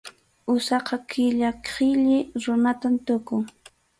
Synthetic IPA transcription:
ʊsɑqɑkʰɪʎakqɪʎɪɾʊnat̪amt̪ʊkʊŋ

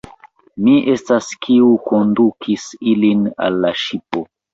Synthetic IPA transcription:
miʔe̞staskʰiuko̞ndukʰisilina̰lːaʃipo̞

